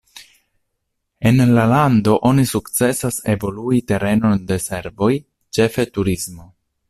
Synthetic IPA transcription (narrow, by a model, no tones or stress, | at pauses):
e̞nlalando̞ʔo̞nisukt͡se̞sase̞vo̞luite̞ɾe̞no̞nde̞se̞ɾvo̞j | t͡ʃe̞fe̞tuɾismo̞